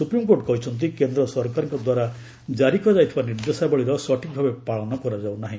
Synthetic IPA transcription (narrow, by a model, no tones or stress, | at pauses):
supɾimkoɾʈkɔɦit͡ʃʰɔnt̪̬ikend̪ɾɔsɔɾkaɾɔŋkɔd̪waɾa | d͡ʒaɾikɔd͡ʒajt̪ʰibaniɾd̪esabɔɭiɾɔsɔʈik̚bʱabepaɭɔnɔkɔɾad͡ʒawnaɦĩ